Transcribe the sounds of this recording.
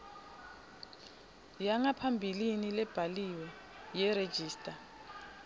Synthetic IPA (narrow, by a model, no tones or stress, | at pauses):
jaŋapʰambʱilinilɛb̥ʱaliwɛ | jɛɾed̥ʒ̥ʱiːstʼa